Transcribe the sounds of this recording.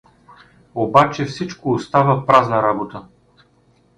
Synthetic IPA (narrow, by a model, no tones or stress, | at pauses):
obat͡ʃɛfsit͡ʃkoːst̪avəpɾaznəɾabot̪ə